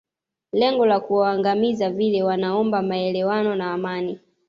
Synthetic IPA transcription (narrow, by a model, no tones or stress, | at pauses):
lɛŋɡɔlakuwaːŋɡamizavilɛwanaɔmbamaɛlɛwanɔnaːmani